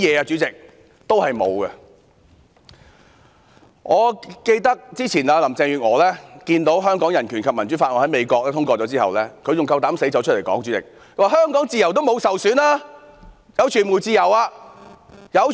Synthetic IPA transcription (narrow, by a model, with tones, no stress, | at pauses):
jɛː˨˧ɐ˧t͡ʃyː˨˥t͡sɪ˨k̚ | t̪o˥whɐ˨jmo̰˨˧wɡɐ˧ | ŋɔː˨˧ke˧jt̪ɐ˥k̚t͡siː˥t͡sʰiː˨˩naː˧lɐ˨˩mt͡sɛː˧ŋjyː˨ŋɔː˨˧lɛː˥kiː˧nt̪o˨˥wɦœː˥ŋkɔː˨˥ŋjɐ˨˩nkʰyː˨˩nkʰɐ˨p̚mɐ˨˩nt͡ʃyː˨˥faː˧t̚ŋɔː˨˧˩ɐ˨˥jme˨˧jkɔː˧k̚lɛː˥t̪ʰʊ˥ŋkɔː˧t͡sɔː˨˥t͡siː˥hɐ̰˨wlɛː˥kʰɵ˧ɥjʊ˨ŋkɐ˧wt̪aː˨˥mse˨˥jt͡sɐ˨˥wt͡ʃ̚ʰle˨˩kɔ̰ː˨˥ŋt͡ʃy˨˥t͡sɪ̰˨k̚ | kʰwaː˨˩ɦœː˥ŋkɔː˨˥ŋt͡siː˨jɐ˨˩wt̪o˥wmo˨˧wsɐ˨wsyː˨˥naː˥ | jɐ˨˧wt͡ʃʰyː˨˩nmu˨˩t͡siː˧jɐ˨˩waː˧ | jɐ˨˧w